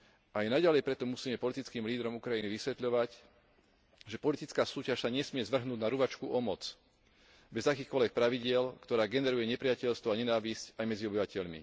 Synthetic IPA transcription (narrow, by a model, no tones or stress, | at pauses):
ʔajɛnaɟalɛjpɾɛt̪ɔmusiːmɛpɔlit̪it͡skiːmliːd̪ɾɔmukɾajiniʋisʋɛt̪ʎɔʋac | ʒɛpɔlit̪it͡skaːsuːcaʃsaɲɛsmɪɛzʋr̩ɦnuːɟnaɾuʋat͡ʃkuʔɔmɔt͡s | bɛzakiːxkɔlʋɛk̚pɾaʋiɟɪɛlkt̪ɔɾaːɡɛnɛɾujɛɲɛpɾɪacɛʎst̪ʋɔaɲɛnaːʋiscajmɛd͡ziɔbiʋacɛʎmḭ